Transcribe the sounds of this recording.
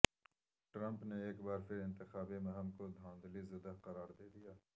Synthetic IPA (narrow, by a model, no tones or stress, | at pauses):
ʈɾɐ̃mpneeːkbaːɾpʰɪɾɪ̃nt̪ɪxaːbemẽɦɐmkod̪ʱãːnd̪lizɐd̪aqɐɾaːɾd̪eːd̪ijaː